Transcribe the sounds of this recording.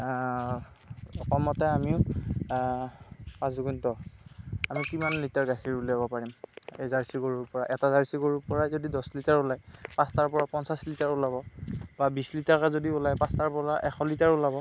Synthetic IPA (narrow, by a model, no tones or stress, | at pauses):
ɔkʰɔmɔtɛamiʊ | pãzɔɡuntɔ | amikimanlitaɹɡaxʰiɹuleabɔpaɹimejzaɹisiɡoɹuɹpɔɹaʔɛtazaɹsiɡoɹupɔɹazodidɔslitaɹʊlajpãstaɹpɔɹapɔnsaslitaɹulabɔbabislitaɹkazodiulajpãstaɹpɔɹaʔɛxɔlitaɹulabɔ